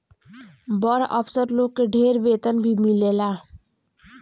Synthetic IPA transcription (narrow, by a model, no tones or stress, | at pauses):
bɔɾʔə̰psəɾloːɡ̚keɖʱeːɾʋeːt̪ənbʱimɪleːlaː